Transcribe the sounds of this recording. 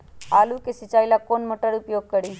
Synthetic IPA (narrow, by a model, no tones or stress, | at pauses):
alukesit͡ʃailakonmoʈəɽupjoɡ̚kəɽi